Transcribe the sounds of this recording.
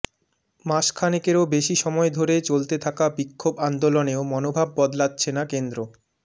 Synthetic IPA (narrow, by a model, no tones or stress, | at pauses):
maʃkʰanikeɾobeʃiʃɔmɔed̪ʱoɾet͡ɕolt̪et̪ʰakabikʰːoband̪oloneomɔnobʱabːɔd̪ladːt͡ɕʰenakend̪ɾo